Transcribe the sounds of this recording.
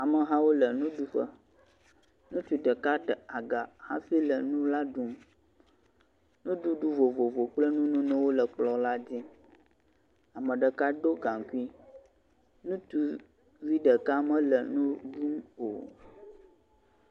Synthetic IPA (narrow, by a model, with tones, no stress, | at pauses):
a˨mə˨ɦã˦wo˦lə˨nũ˦ɖu˦ɸə˦ | nũ˦t͡ʃu˨ɖə˨ka˦tə˨a˨ɡa˨hã̰˦fi˦lə˨nũ˦la˦ɖu˦m | nũ˦ɖu˦ɖu˦vo˨vo˨vo˨k͡plə˦nũ˦nũ˦nə̃˦wo˦lə˨k͡plɔ˦la˦d͡ʑi˦ | a˨mə̃˨ɖə˨ka˦ɖo˦ɡa˨ŋ˨ku˦i˦ | nũ˦t̪u˦ | vi˦ɖə˨ka˦mə̃˦lə̰˨nũ˦ɖu˦mo̰˨